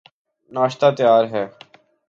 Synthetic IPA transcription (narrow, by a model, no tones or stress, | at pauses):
naːʃt̪aːt̪əjaːɾɦɛː